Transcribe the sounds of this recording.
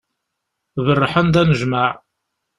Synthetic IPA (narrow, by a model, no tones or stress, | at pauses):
ðərˤːəħənd̪ænəʒmaʕ